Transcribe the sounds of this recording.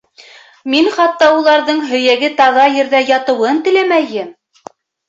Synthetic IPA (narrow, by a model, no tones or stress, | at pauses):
minχɑt̪ːɑulˠɑɾðɤɴɦɵ̆jæɡɘt̪ɑʁɑjɘ̆ɾðæjɑt̪ɤ̆wɤnt̪ɘ̆læmæjɘm